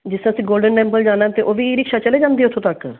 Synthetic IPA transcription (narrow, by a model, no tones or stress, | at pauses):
d͡ʒɪsẽəsĩːɡoːlɖənːɛ̃ːmpəld͡ʒaːnãt̪eʔoːʋiːɾɪkʃaːt͡ʃəleːd͡ʒãːnd̪iːʊt̪ʰõːt̪ək